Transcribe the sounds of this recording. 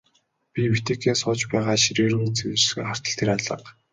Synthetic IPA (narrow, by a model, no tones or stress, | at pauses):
pʲipet̪eːkeːnsʊːt͡ɕpæːʁaːʃiɾeːrɣuːt͡sewɘ̆rxɘχar̥t̪ə̆ɬt̪ʰeɾaɮə̰̆q